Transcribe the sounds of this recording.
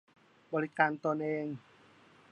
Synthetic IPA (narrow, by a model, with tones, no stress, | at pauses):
bɔː˧ɾi˦˥kaː˧nt̪ɔː˧nʔeː˧ŋ